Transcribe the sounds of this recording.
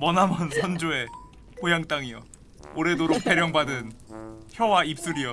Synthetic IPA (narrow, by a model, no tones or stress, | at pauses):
mʌnɦamʌnsʰʌnd͡ʑoe̞ | pojaŋt͈aŋiʌ̰ | oɾe̞doɾokpe̞ɾjʌŋbadɯnçjʌwaip̚s͈uɾijʌ